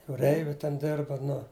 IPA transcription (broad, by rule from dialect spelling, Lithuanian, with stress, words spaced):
juːˈrʲɛɪʋʲʊ tʲɛn ˈdʲɪrbɐ ˈnʊ